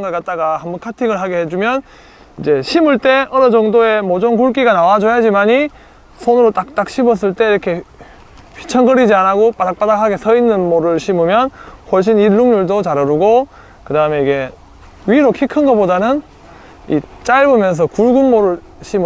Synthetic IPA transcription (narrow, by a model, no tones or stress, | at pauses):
ŋɡʌk͈at̚t͈aɡahambunkʰatʰiɡɯɭɦaɡehed͡ʑumjʌn | id͡ʑe̞ɕʰimuɭt͈e̞ʔʌɾʌd͡ʑʌŋdoe̞mod͡ʑonkuɭk̬͈iɡanawad͡ʑojad͡ʑimaɲi | sʰonɯɾot͈ak̚t͈ak̚ɕʰibʌs̬͈ɯɭt͈e̞iɾʌkʰe̞ | ɸʰi̥t͡ɕʰʌnɡʌɾid͡ʑianaɡop͈adak̚p͈adakʰaɡe̞sʰʌinːɯnmoɾɯɭɕʰimumjʌnhwʌɭɕ̬͈ʰiniɭːuŋɲuɭdot͡ɕaɾɯɾuɡo | kɯdaɯme̞iɡe̞ | ɥiɾokʰikʰɯnɡʌp͈odanɯn | ḭt͡ɕ͈aɭbɯmjʌns̬ʰʌkuɭɡunmoɾɯɭ | ɕʰim